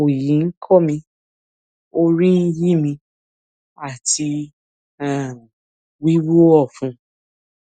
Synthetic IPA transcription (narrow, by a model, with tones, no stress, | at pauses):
o˨jĩ˨˦ŋ̩˦kʰɔ˦mĩ˧ | o˧ɾĩ˦n̩˧˦ji˦mĩ˧ | a˦˨ti˧ | ã˦˨ | wi˦wo˦ɔ˦˨fũ˨˦